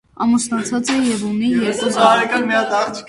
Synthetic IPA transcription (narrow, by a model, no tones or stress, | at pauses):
ɑ̰musnɑt͡sʰɑt͡sɛjɛvunijɛɾkuzɑɾɛkɑnmijɑd̪ɑɾt͡sʰ